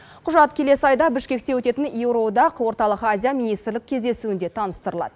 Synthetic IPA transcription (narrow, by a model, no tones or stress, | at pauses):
qʰʊʒɑt̪kʲʰe̞le̞sɪɑjd̪ɑbɪʃkʲe̞k̚t̪e̞wɵt̪e̞t̪ɪnjewɾo̞d̪ɑqwo̞ɾt̪ɑlˠəqazʲijaminijst̪ɾlɪk̚kʲʰːe̞zd̪e̞suɪnd̪e̞t̪ʰɑnəst̪əɾəlˠɑ̰d̪ə